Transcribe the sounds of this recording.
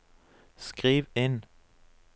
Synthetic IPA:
skʁiːʋɪn

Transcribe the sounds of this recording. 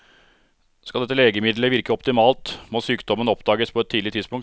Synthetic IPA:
skɑld̪ɛt̪ːəleːɡəmɪd̪ləʋɪɾkəɔpt̪ɪmɑːlt̪mɔːsyːkd̪ɔmənɔpd̪ɑːɡəspʰɔɛt̪ʰːiːd̪lɪt̪ʰɪd̪spʊŋ

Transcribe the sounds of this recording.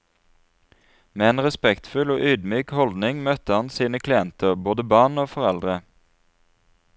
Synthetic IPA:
meːeːnʁɛspɛkt̪fʉloːʔyːd̪myːkhɔld̪nɪŋmœt̪əhɑnsiːnəkʰlɪɛnt̪ʰəʁboːd̪əbɑːnoːfɔʁɛld̪ʁə

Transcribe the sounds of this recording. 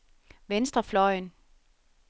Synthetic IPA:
ʋensd̥ʁɐflɒɪn

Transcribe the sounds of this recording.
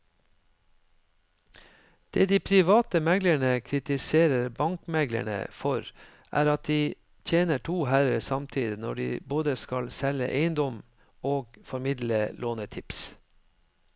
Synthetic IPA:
d̪̥eːd̪iːpʰɾɪʋɑːt̪əmɛɡləɳəkʰɾɪt̪ɪseːɾəɾbɑŋkmɛɡlə̰ɳə̰fɔɾ | ʔæ̰ːɾɑt̪̚d̪iː | t̪ʰeːnəʈʰuːhæɾəɾsɑmt̪ʰiːd̪ɪnɔ̰ɖḭːboːd̪əskɑlsɛlə̰ʔeɪənd̪ɔm | oːɡfɔɾmɪd̪ləlʔoːnət̪ʰɪps

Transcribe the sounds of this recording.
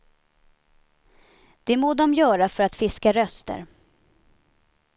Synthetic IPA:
d̪̥ɛmoːd̪ɔmjœːɾafœɾat̪fɪskaɾœst̪ə̰ɾ

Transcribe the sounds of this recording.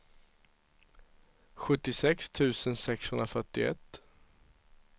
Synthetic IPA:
ɧɵt̪ːɪsɛkst̪ʰʉ̟ːsənsɛkshɵnɾafœʈːɪɛ̰t̪ː

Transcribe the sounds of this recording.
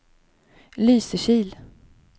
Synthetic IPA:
lyːsəʂiːl

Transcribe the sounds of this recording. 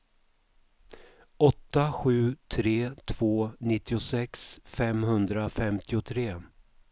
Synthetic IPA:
ɔt̪ːaɧʉ̟ːt̪ʰɾeːt̪ʰv̥oːnɪt̪ːɪʊsɛksfɛmɦɵnd̪ɾafɛmt̪ʰɪʊt̪ʰɾeː

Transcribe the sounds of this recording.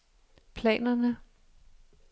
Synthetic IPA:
pʰlɛ̰ːnɐnə

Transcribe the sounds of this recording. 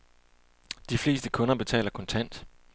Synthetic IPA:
d̥ifle̝̰ːsd̥əkʰɔ̽nɐb̥e̝t͡sʰɛ̰ːlɐkʰɒ̽nt͡sʰæn̰d̥

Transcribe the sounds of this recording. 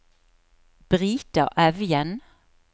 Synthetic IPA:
b̥ʁiːt̪əʁʔœʋjɛn

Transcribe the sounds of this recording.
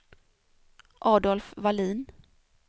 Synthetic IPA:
ʔɑːd̪ɔlfvaliːn

